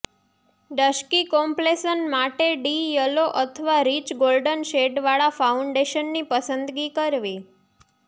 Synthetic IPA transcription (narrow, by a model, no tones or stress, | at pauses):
ɖəʃkikɔmplesənmaʈeɖijəloʔət̪ʰəʋaɾit͡ʃɡolɖənʃeʈʋaɭafauɳɖeʃənːipəsənd̪ɡikəɾʋi